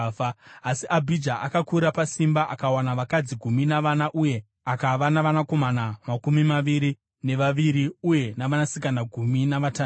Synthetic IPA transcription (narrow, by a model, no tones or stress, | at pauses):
asiʔabʱid͡ʒaʔakakuɾapasimbaʔakawanaʋakad͡ziɡʱuminaʋanaʔuje̞ | akaʋanaʋanako̞manamakumimaʋiɾi | ne̞ʋaʋiɾiuje̞naʋanasikanaɡʱuminaʋata